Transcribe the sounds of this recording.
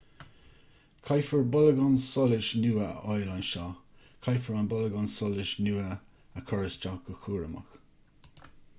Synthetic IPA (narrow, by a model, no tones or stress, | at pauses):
kʰajfəɹbɔləɡɔnsɔlɪʃnuːəɔjlanʃa | kʰajfəɹanbɔləɡɔnsɔlɪʃnuːə | əkʰɔɹəsd͡ʒakəxuːɹəmə̰x